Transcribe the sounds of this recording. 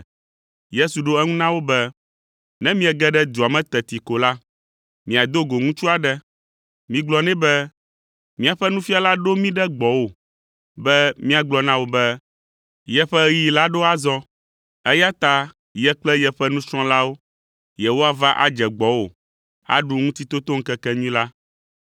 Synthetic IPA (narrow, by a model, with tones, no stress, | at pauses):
je˦su˨ɖo˦ɛ˦ŋũ˦nã˦wo˦bɛ˦ | nɛ̃˦mĩ˦ɛ˨ɡɛ˦ɖɛ˦d̪u˨a˨mɛ̃˦t̪ɛ˨t̪i˨ko˨la˦ | mĩ˨a˨d̪o˦ɡo˨ŋũ˦t͡ʃu˦a˨ɖɛ˦ | mĩ˨ɡ͡blɔ˨nɛ̃˦bɛ˦ | mĩ˦a˨ɸɛ˦nũ˦fi˦a˨la˦ɖo˦mĩ˦ɖɛ˦ɡ͡bɔ˨wo˨ | bɛ˦mĩ˦a˨ɡ͡blɔ˦nã˦wo˨bɛ˦ | jɛ˨ɸɛ˦ji˨la˦ɖo˦a˨zɔ˦ | ɛ˦ja˦t̪a˦ | jɛ˦k͡plɛ˦jɛ˨ɸɛ˦nũ˦sɾ̃ɔ̃˦la˦wo˦ | jɛ˨wo˦a˨va˦ʔa̰˨d͡ʒɛ˨ɡ͡bɔ˦wo˨ | a̰˦ɖu˦ŋũ˦t̪i˦t̪o˦t̪o˦ŋ̩˦kɛ˦kɛ˦ɲĩ˦la˦